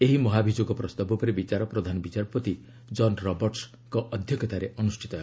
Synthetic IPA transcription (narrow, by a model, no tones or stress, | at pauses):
eɦimɔɦabʱid͡ʒoɡɔpɾɔst̪abɔpɔɾibit͡ʃaɾɔpɾɔd̪ʱanɔbit͡ʃaɾpɔt̪i | d͡ʒɔnɾɔbɔɾʈs | kɔʔɔd̪ʱjɔkʰɔt̪aɾeʔɔnusʈʰit̪ɔ